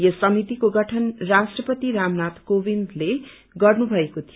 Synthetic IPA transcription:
josʌmit̪ikoɡʌʈʰʌnrasʈrʌpʌt̪iɾamnat̪kobind̪le | ɡʌrnubʱʌekot̪ʰi

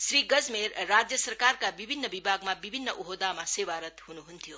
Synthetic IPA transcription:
sɾiɡʌd͡zmeɾːad͡zjəsəɾkarkabibʱinːʌbibʱaɡmabibʱinːʌʔuɦod̪amasewaɾʌt̪hunuɦunt̪ʰjo

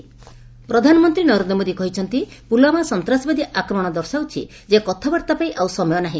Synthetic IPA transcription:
pɾɔd̪ʱanɔmɔnt̪ɾinɔɾend̪ɔmod̪ikɔɦit͡ʃʰɔnt̪ipulamasɔnt̪ɾasɔbad̪iʔakɾɔmɔɽ̃ɔd̪ɔɾsawt͡ʃʰḭ | d͡ʒekɔt̪ʰabaɾt̪apaĩʔawsɔmɔjɔnaɦĩ

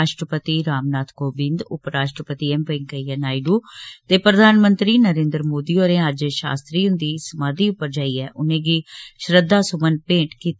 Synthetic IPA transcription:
aːʃʈɾəpət̪iːɾaːmnaːt̪ʰkoːbɪ̃nd̪ʊpɾaːʃʈɾəpət̪iːɛmpẽŋkəiːɛːnaːiɖuːt̪eːpɾəd̪ʱaːnmə̃nt̪ɾiːnəɾẽːnd̪ɾmoːd̪iːoːɾẽːəd͡ʒʃa̰ːst̪ɾiːɦʊnd̪iːsəmaːd̪iːʊpːəɾd͡ʒaːiːɛːʔʊnẽːɡiːʃɾəd̪aːsʊmənpẽːʈkiːt̪ː

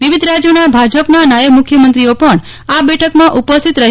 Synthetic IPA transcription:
ʋiʋid̪ʱɾad͡ʒjonabʱad͡ʒəpnanajəɡmʊkʰjəmənt̪ɾiopəɳ | abɛʈʰəkmãʔupəst̪ʰit̪ɾəɦ

